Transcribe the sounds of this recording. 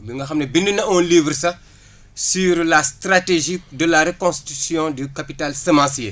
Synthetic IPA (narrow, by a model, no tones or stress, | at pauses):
biŋɡɐxɐmnebinːənɐɔ̃liːvɾsɐ | syɾlast̪ɾateʒik̚dəlaɾekõst̪i̥tysjɔ̃dykapitalsɐmãsje